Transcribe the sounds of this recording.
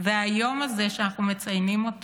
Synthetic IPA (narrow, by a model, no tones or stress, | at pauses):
veajo̞maze̞ʃeanaχnume̞t͡sajnimo̞t